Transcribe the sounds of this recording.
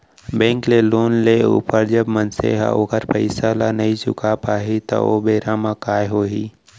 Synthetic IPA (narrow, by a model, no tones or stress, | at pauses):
bɛ̃ːŋkleloːnleṵːpəɾd͡ʒəbmənsḛɦa̰oːkəɾpəɪsalanɐɦĩt͡ʃʊ̰kʰapaːɦit̪o̰obeːɾamãkaːjɦoːɦiː